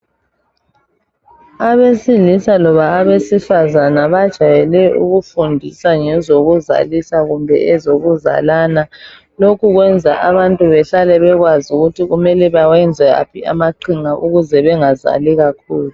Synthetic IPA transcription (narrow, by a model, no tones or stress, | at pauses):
aβesilisalɔβaːβesifazanaβad̥ʒ̥ʱajɛlɛʔṵɣufundʱisaŋɛzoɣuza̰lisaɣumbʱɛ̰ʔɛzoɣuza̰lana | lokʰuɣwɛnd͡zʱaʔaβantʼuβɛɬalɛβɛɣwazuɣutʰiɣumɛlɛβawɛnd͡zʱɛɣa̰pʰia̰maǃʰiŋaʔuɣuzɛβɛŋaza̰liɣakʰuːlu